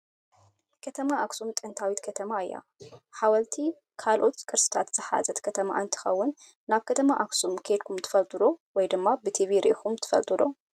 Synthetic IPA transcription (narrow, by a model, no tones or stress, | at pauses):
kʰɐt̪ʰɐmaʔaksumt̪ʼɨnt̪ʰawit̪kʰɐt̪ʰɐmaɨjːa̰ | ħawɐlt̪ʰi | kʰalʔo̞t̪kʼɨɾsɨ̥t̪ʰat̪z̥ɨħa̰zɐt̪kʰɐt̪ʰɐma̰ʔɨnt̪ʰɨ̥xɐ̰wːʊnː | aβkʰɐt̪ʰɐmaʔaksumkʰe̞d̪kʰumt̪ʰɨ̥fɐlt̪ʼɨd̪owɔjd̪ɨmːabɨt̪ʰiviɾixumt̪ʰɨ̥fɐ̰lt̪ʼɨd̪o